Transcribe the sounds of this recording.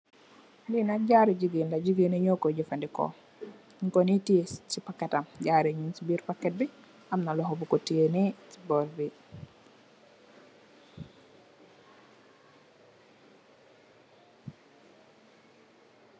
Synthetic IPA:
linaɟaɾed͡ʒiɡinlad͡ʒiɡineɲokod͡ʒifandikɔ̰ | konitiet͡ʃipakːɛtamɟaɾeɲinsibiɾpakːɛt̚bi | amnalɔɦɔbukotienisi̥bɔɾbi

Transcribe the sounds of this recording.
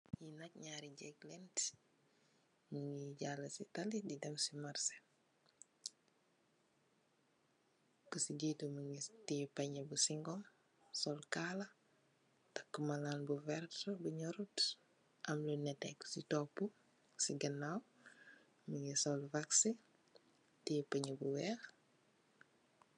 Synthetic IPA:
jinɐc̚ɲaːɾiɟɛɡ̚lɛnt | məŋiɟalɐsitɐlididɛmsimarsɛ̥ | kusiɟituməŋitipɐɲəbusiŋɡɔm | sɔlkaːlɐ | tɐkːəmalaːnbuvɛrtbuɲɔɾut | ɐmlunɛtɛkːsitɔpːu | siɡɐnaw | məŋisɔlvaksi | tipɐɲəbuwɛːx

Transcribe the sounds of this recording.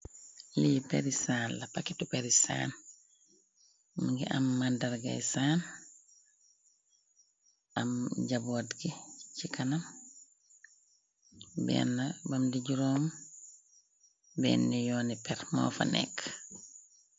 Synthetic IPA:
lijupɛɾisaːnlɐpakitupɛɾisa̰ːn | muɡiʔamːandɐɾɡa̰jsaːn | ʔɐmɟaboːtɡicikɐnam | bɛ̰nːabamdiɟuɾɔːm | bɛ̰ːnːijɔːnipɛɾmɔ̰ːfa̰nɛ̰kː

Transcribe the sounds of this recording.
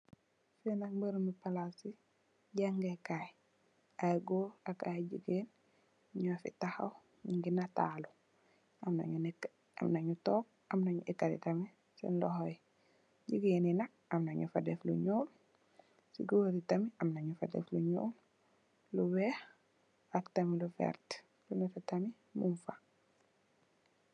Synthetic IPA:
fɛnakmbəɾumipalasi | ɟaŋɡekaj | ajɡoaka̰jɟḭɡeːn | ɲɔafḭtaxa̰w | ŋɡinata̰ːlu | amna̰ɲunɛkː | a̰mnaɲutɔːk̚ | amnaɲuʔɛkːaɾḭtɐmi | sḭnlɔhɔj | ɟiɡeːninɐk̚ | ɐmnaɲufadɛflṵɲoːl | sḭɡoɾitɐmiɐmnaɲufa̰dɛ̰fluɲo̰ːl | luwɛh | aktɐmilufɛ̰ɾt | lunɛfitami | muɱfa

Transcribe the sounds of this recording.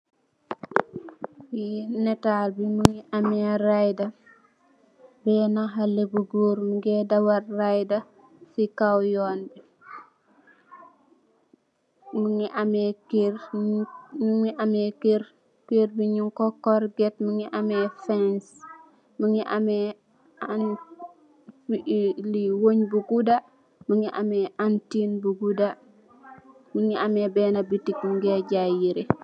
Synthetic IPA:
jinɛtaːlbimuŋiʔamɛrajdɐ | bɛnaɦɐlːebuɡuːɾmuɡɛdɐwɐrːajdɐ | sikawjɔːnbi | muŋiʔamɛkːɾ | ɲuŋiʔɐmɛkeɾ | kiɾbiɲuŋkokːɔɾɡet̚miŋiʔamɛfɛns | miŋiʔamɛ | an | liwoɲbuɡuda | muŋiʔamɛʔantinbuɡuda | miŋiamebɛːnabitikŋɡeɟajiɾi

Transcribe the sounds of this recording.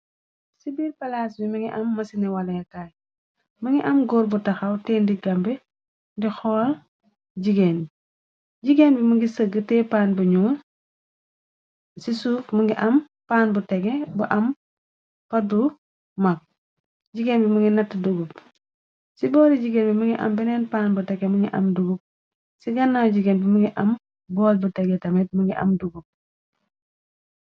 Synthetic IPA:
sibiːɾpɐlaːsbimɐŋɡiʔɐmːɐsinɛwɐlɐjɐkaːj | mɐŋɡiʔɐmɡɔːɾbutɐxɐwtɛːndiɡɐmbɛ | ndixɔːl | ɟiɡeːn | ɟiɡeːnbimɐŋɡisəɡətɛːpaːnbɐɲuŋɐ | sisuːfmɐŋɡiʔɐm | paːnbutɛɡɛbuʔɐm | pɐbu | mak̚ | ɟiɡeːnbimuŋɡinɐtːduɡup | sibɔːliɟiɡeːnbimuŋɡiʔɐ̰mbɛnɛnpaːnbutɛɡemuŋɡiʔɐ̰mduɡup̚ | siɡɐnːawɟiɡenbimuŋɡiʔɐm | bɔːlbutɛɡɛtɐmɛt̚muŋɡiʔɐ̰mduɡup̚

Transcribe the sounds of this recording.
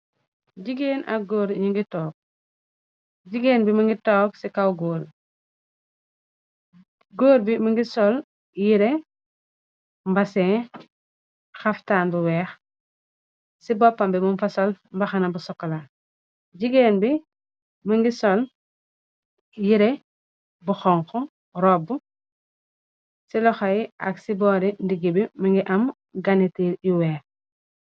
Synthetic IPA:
ɟiɡeːnʔɐ̰ɡoːɾɲiŋɡitɔːk̚ | ɟiɡeːnbimɐŋɡitɔːk̚sikawɡoːl | ɡoːɾbimɐŋɡisɔl | jiɾɛ | mbɐsɛː | xɐftaːnbuwɛːx | sibɔpːambimumfasolmbaxanabusɔkːɔla | ɟiɡeːnbi | mɐŋɡisɔl | jiɾe | buxɔŋxɔ | ɾɔbu | silɔxajiʔa̰ksibɔɾindiɡibimɐŋɡiʔam | ɡanitiliwɛːx

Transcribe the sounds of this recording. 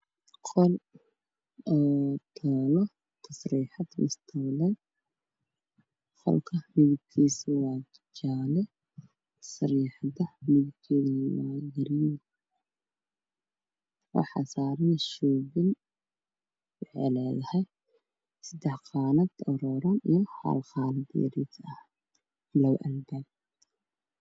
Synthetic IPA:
qʰɔl | ɔːt̪ʰɔːlɔ | t̪ʰɐsriːħɑd̪mʊst̪ʰɐwlɛj | fɐ̰lkʰɐmɪðʊb̚kʰiːswɑː | t͡ʃaːlɛ | t̪ʰɐ̥sɾiːħdɐmɪðʊb̚kʰɛːðɐnwajɐɾiːn | wɑ̰ħɑ̰ːsaːɾɪnʃɔːbɪn | ʕɛ̰lɛːjɐhɛj | sɐd̪ɛħqɑːnɐd̪ɔɾɔːɾɐnḭjɔħa̰ːlqɑːnɐd̪jɐ̰ɾḭt̪ʰɐh | lɐwʔɐnd̪ɐɡ

